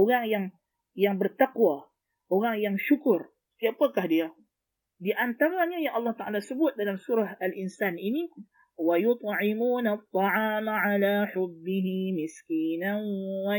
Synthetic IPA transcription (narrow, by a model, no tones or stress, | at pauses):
ʔoɾaŋjaŋ | jaŋbərt̪akuwa | ʔoɾaŋjaŋʃukʊr | st̪iapakahdia | diʔant̪aɾaɲajaŋʔɑlːɑht̪aʔa̰lasəbʊt̪̚dalamsuɾahalʔinsanini | wajʊt̪̚ˤʕimuːnat̪ˤːɑʕaːmaʕalaːħʊbːɪɦimɪskiːnaa